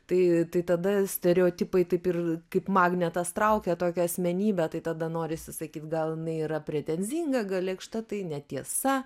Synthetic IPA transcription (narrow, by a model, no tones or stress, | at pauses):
t̪ɐɪt̪ɐɪt̪ɐd̪ɐsʲt̪ʲɛɾʲɛoːt̪ʲɪpɐɪt̪ɐɪpɪrkɐɪpmɑːɡnʲɛt̪ɐst̪ɾɐʊkʲɛt̪oːkʲɛɐsʲmʲɛnʲiːbʲɛt̪ɐɪt̪ɐd̪ɐnoːɾʲɪsʲɪsɐkʲiːt̪ɡɐlˠjɪnɐɪiːɾɐpʲɾʲɛt̪ʲɛnʲzʲiŋɡɐɡɐlʲɛɪkʃt̪ɐt̪ɐɪnʲɛt̪ʲiɛsɐ